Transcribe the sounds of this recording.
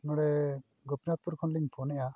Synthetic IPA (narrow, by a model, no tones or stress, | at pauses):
nɔɽɛ | ɡɔpinat̪̚puɾkʰɔnliŋpʰɔnɛʔa